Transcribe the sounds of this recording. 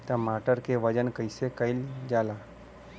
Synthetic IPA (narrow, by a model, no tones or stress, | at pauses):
t̪jamaʈəɾkeʋəd͡ʑənkəjsekaild͡ʒala